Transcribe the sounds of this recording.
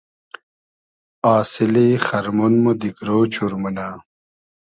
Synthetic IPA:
aːsilixɐɾmunmod̪iɡɾoːt͡ɕʰuɾmuna

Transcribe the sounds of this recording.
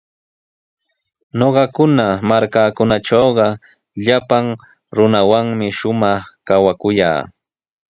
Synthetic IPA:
noɢɑkʊnamaɾkaːkʊnaʈ͡ʂowɢɑ | ʎapaŋ | ɾʊnawaŋmɪʃʊmɑχkawakʊja̰ː

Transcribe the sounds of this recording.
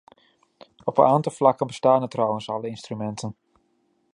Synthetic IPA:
ɔpənaːntɑlˠflɑkənbəstaːnətrɑwənsɑləɪnstrymɛntən

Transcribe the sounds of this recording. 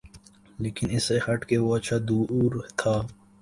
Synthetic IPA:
leːkɪnɪsexɐʈkeʋoɐt͡ʃʰad̪uːɾt̪ʰaː

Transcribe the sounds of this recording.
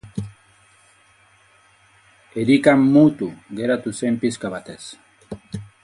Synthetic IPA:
eɾikamːut̪uɣe̞ɾat̪usempiskaβat̪es

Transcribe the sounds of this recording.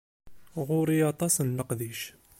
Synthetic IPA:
ʁʊɾijɑt̪ˤɑsənləqd̪iʃ

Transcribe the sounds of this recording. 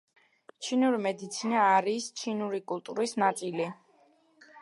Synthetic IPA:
t͡ʃʰinuɾimɛd̪it̪sʰinaːɾist͡ʃʰinuɾikʼulˠt̪ʼuɾisnat̪sʼili

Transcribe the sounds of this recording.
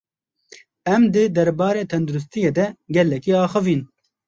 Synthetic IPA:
ɛmd̪ɨd̪ɛɾbɑːɾeːt̪ʰɛnd̪uɾus̬t̪ijeːd̪ɛɡɛlːɛkiːɑːxɨviːn

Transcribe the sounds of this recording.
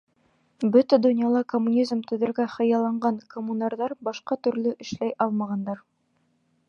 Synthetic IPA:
bɵt̪æd̪ɵ̆nʲjɑlˠɑkomːunʲizmt̪ɵ̆ðɘ̆ɾɡæχɤ̆jɑlˠɑɴɢɑnkomːunɑɾðɑɾbɑʃqɑt̪ɵ̆ɾlɵʔɘ̆ʃlæjʔɑlˠmɑʁɑnd̪ɑɾ

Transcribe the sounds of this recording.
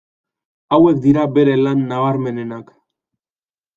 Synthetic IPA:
awe̞k̚d̪iɾabe̞ɾe̞lanːaβ̞aɾme̞ne̞nak

